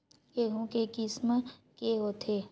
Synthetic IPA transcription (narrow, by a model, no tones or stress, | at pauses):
keɦũkekɪsmkeɦoːt̪ʰeː